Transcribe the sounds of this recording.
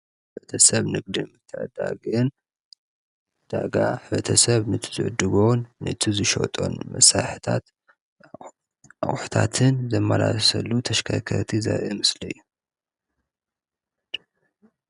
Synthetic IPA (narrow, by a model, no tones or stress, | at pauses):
ħɨbɐt̪ʰɐsɐβnɨɡ̚d̪ɨmɨt̪ʰːɐʕɐd̪aɡɨn | d̪̥aɡaħɨβɐt̪ʰɐsɐβnɨt̪ʰɨ̥zɨʕʊd̪ɨɡonːɨ̰t̪ʰizɨʃo̰t̪ʼo̞̰nmɐ̰saħit̪ʰat̪ | aχʼħu̥t̪ʰat̪ʰɨnzɐmːalasɐlːut̪ʰɐʃkʰɐkʰɐɾt̪ʰiza̰βʔɨmɨslɐjːu